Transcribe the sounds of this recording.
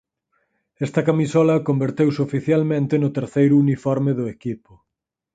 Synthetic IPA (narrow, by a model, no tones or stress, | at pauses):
ɛst̪ɐkamisɔlɐkombeɾt̪ewsofiθjalmẽnt̪ɪnʊt̪eɾθejɾʊunifɔɾmɪðʊekipʊ